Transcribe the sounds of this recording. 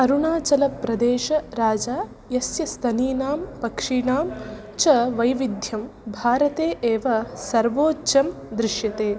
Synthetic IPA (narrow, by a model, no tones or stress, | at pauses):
ɐɾuɳaːt͡ʃɐlɐpɾɐd̪eːʃɐɾaːd͡ʒaː | jɐsjɐst̪ʰɐniːnaːmpɐkʂiːɳaːm | t͡ʃɐʋɐjʋid̪ʱjɐmbʱaːɾɐt̪eːʔeːʋɐsɐɾʋoːt͡ʃɐm | d̪ɾɪʂjɐt̪eː